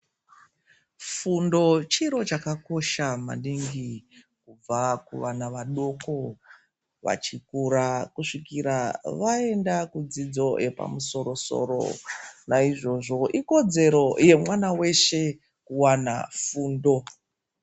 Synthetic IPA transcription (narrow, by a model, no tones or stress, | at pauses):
fundo̞t͡ʃiɾo̞t͡ʃakako̞ʃama̰ɗiŋɡi | kub͡vakuʋanaʋaɗo̞ko̞ | ʋa̰t͡ʃikuɾakuʂikiɾaʋae̞ndakud͡zid͡zo̞jʔe̞pa̰muso̞ɾo̞so̞̰ɾo̞̰naiʐo̞ʐo̞ʔiko̞d͡ze̞ɾo̞je̞mwanawe̞ʃe̞ | kuwana̰fuːndo̞